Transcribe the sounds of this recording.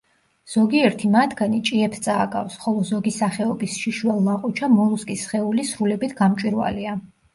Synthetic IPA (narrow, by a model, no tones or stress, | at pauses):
z̥ɔɡiɛɾt̪ʰimad̪ɡanit͡ʃʼiɛpʰt̪sʼaːkʼa̰fsχɔlˠɔzɔɡisaχɛɔbisʃiʃwɛlˠːaqʼut͡ʃʰamɔlˠuskʼisχɛulisɾulɛbit̪ʰɡamt͡ʃʼwiɾwa̰lia